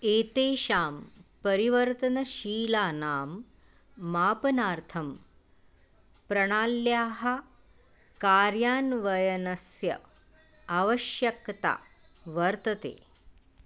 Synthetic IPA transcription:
eːt̪eːʃaːmpɐɾiʋɐɾt̪ɐnɐʃiːlaːnaːmː | aːpɐnaːɾt̪ʰɐm | pɾɐɽ̃aːlːjaːɦɐ | kaːɾjaːnʋɐjɐnɐsjɐ̰ː | ʋɐʃjɐkt̪a̰ː | ʋɐɾt̪ɐt̪ḛː

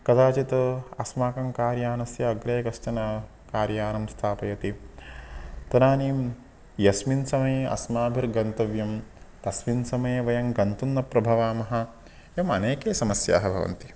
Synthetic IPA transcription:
kɐt̪aːt͡ʃit̪ɐɐsmaːkɐŋkaːɾjaːnɐsjɐːɡɾeːkɐsʈɐnɐ | kaːɾjaːnɐmst̪ʰaːpɐjɐt̪i | t̪ɐnaːniːm | jɐsminsɐmɐjeʔɐ̰smaːbʱiɾɡɐnt̪ɐʋjɐmt̪ɐsminsɐmɐjeːʋɐjɐŋɡɐnt̪unːɐpɾɐbʱɐʋaːmɐɦɐ̆ | jɐmɐneːkeːsɐmɐsja̰ːɦɐbʱɐ̰ʋɐ̰nt̪i̥

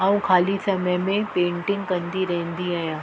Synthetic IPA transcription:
aːũkʰaːlisɐməjmẽpẽːɳʈɪ̃ŋɡkɐ̃nd̪iɾɐɦə̃nd̪iaːjãː

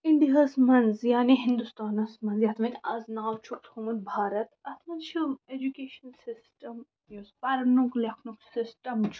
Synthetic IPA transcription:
iɳɖiɦɐsmɐnzjaːniɦĩnd̪ust̪aːnɐsmɐnzjɐt̪ʰmɐ̃nɐznaːwt͡ʃʰukt̪ʰuːmɐn̚bʱaːɾɐt̪ɐt̪ʰmɐnt͡ʃʰied͡ʒukeːʃɐnsɪsʈɐm | jɐspɐɾnuklɐkʰnuksɪsʈɐmt͡ʃʰ

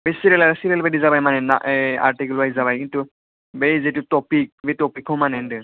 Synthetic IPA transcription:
besiɾɛlaɾsiɾelbedizabajmanɛna̰ʔa̰ɹʈikilajzaβajkintu | bejzetutɔpik̚betɔpikʰɔmanɛndɯ

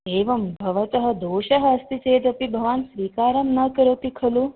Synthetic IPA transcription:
eːʋɐmbʱɐʋɐt͡sɐɦɐd̪oːɕɐɦɐːst̪it͡seːd̪ɐpibʱɐʋaːnsʋiːkaːɾɐmnɐkəɾɐt̪ikʰɐluː

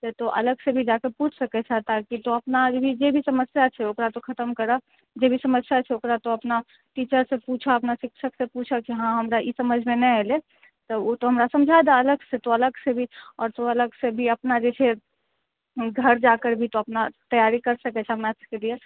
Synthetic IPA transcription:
et̪oʔɐ̰ləɡsebʱid͡ʒakəɾpuːt͡ʃʰsɐkɛt͡ʃʰat̪akit̪oɐpnad͡ʒbʱid͡ʒebʱisəməsjat͡ʃʰɛokɾat̪okʰɐt̪əmkəɾa | d͡ʒebʱisəməsjat͡ʃʰɛokɾat̪oɐpna | ʈiːt͡ʃəɾsepuːt͡ʃʰaɐpnaʃɪkʃʰəksepuːt͡ʃʰad͡ʒʰeɦãɦɐmɾaʔisɐməd͡ʒʱmẽnəɛle | t̪oot̪oɦɐmɾasɐ̃md͡ʒʱad̪aɐləɡset̪oɐləɡsebʱiɔːɾt̪oɐləɡsebʱiəpnad͡ʒet͡ʃʰe | ɡʱəɾd͡ʒakəɾbʱit̪oɐpnat̪əjaːɾikəɾsɐkɛt͡ʃʰɛmɛskelie

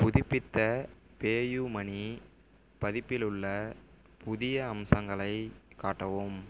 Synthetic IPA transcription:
pʊðɪpːɪt̪ːɐ | peːjumɐni | pɐðɪpːɪlɯɭːɐ | pʊðɪjɐːmsɐŋɡɐɭɐɪkːaːʈːɐʋɯm

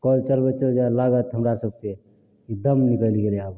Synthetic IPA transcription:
kɔlt͡ʃəɾbet͡ʃəd͡ʒalaɡət̪ɦəmɾasəb̚ke | id̪əmnikəliɡeleab

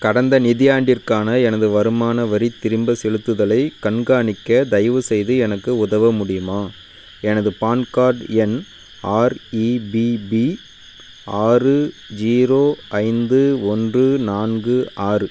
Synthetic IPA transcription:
kɐɽɐnd̪ɐnɪðɪjaːɳɖɪrkaːnɐɛnɐðɯʋɐɾɯmaːnɐʋɐɾit̪ːɪɾɯmbɐsɛɻɯt̪ːɯðɐlɐɪkɐɳɡaːɳɪkːɐd̪ɐɪʋɯsɛjðɯɛnɐkːɯʊðɐʋɐmʊɽɪjɯmaː | ɛnɐðɯpaːnkaːɾɖɛn | aːɾibibi | ʔaːrɯ | d͡ʒiːɾoːʔɐɪnd̪ɯɔndrɯnaːnɡɯʔaːrɯ

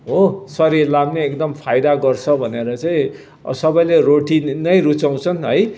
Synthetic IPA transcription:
ɦosʌɾiɾlamneekd̪ʌmpʰajd̪aɡʌrt͡sʰʌbʱʌneɾʌt͡saĩ | sʌbʌjleɾoʈinʌjɾut͡saw̃t͡sʰʌnɦʌj

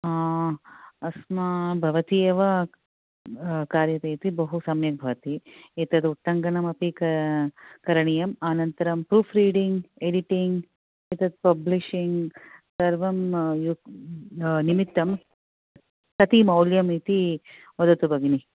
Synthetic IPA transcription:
a | ɐsmɐbʱɐʋɐt̪ieːʋɐ | kaːɾjɐt̪eːt̪ibɐɦusɐmjɐk̚bʱɐʋɐt̪iit̪ɐd̪uʈːɐŋɡɐɳɐmɐpikɐ | kɐɾɐɳijɐmaːnɐnt̪ɐɾɐmpɾuːpʰɾiːɖiŋɡeɖiʈiŋɡ | it̪ɐd̪̚pɐbliʃiŋɡsɐɾʋɐmju | nimit̪ːɐm | kɐt̪imɐwljɐmit̪i | ʋɐd̪ɐt̪ubɐɡini

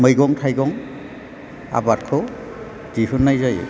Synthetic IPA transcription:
mɯjɡɔŋtʰajɡɔŋ | a̰bat̚kʰɔ | diɦɯnːajzaj̰

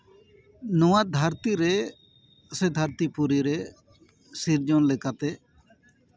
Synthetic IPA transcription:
nuwad̪ʱaɾt̪iɾɛ | sɛd̪ʱaɾt̪ipuɾiɾɛ | siɾd͡ʒɔnlɛkat̪ɛ

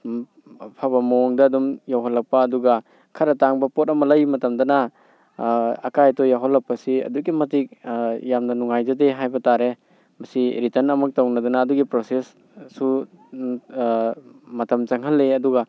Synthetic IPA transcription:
pʰabɐmɔŋdɐːdumjawɦɔlːɐk̚paːduɡɐ | kʰɐɾɐtaŋbɐpot̚ɐmɐlɐjmɐtɐmdɐna | kajtɔjawɦɔlːɐk̚pɐsiɐ̰duɡimɐtik̚jamnɐnuŋajzɐdeɦajbɐtaɾe | mɐsiɾitɐnɐmɐk̚tawnɐdɐnaːduɡipɾosesː | u | mɐtɐmt͡ʃaŋɦɐlːeɐduɡa

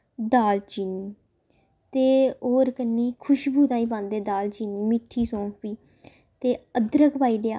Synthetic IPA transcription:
d̪aːlt͡ʃiːniː | t̪eːoːɾkənːiːkʰʊʃbuːt̪ãːĩːpãːnd̪eːd̪aːlt͡ʃiːniːmɪʈʰːiːsɔ̃ːpiː | t̪eːəd̪ɾəkpaːiːleaː

